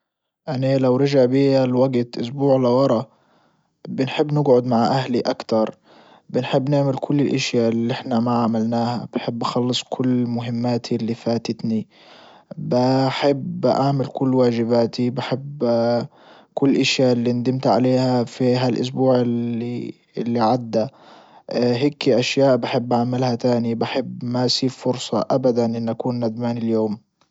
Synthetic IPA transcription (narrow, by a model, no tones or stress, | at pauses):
ʔanalawɾɪʒaʕbiːalwaɡt̪ʔʊs̬buːʕlɪwɑɾˤɑ | bɪnħɪbːnɪɡʕʊd̪maʕʔahliʔakt̪ɑɾˤ | bɪnħɪbːnaʕmɪlkʰʊlːɪlʔɪʃjaliʔɪħnamaʕamalnaːhab̥ɪħɪbːʔaxɑlːɨsˤkʰʊlːmʊɦɪmːaːt̪ʰilːifaːt̪ɪt̪ni | bɪħɪbʔaʕmɪlkʊlːwaːʒɪbaːt̪ibaħɪb | kʊlːʔaʃjaɪlːind̪ɪmt̪ʕa̰leːhafiɦalʔʊ̰s̬buːʕɪli | lːiʕad̪ːa | ɦeːkʔaʃjaːʔbaħɪbːʔʕaʕmɪlhat̪aːnibaħɪbmasiːffʊɾsˤɑʔabad̪anʔɪnːʔakuːnːad̪maːnɪljoːm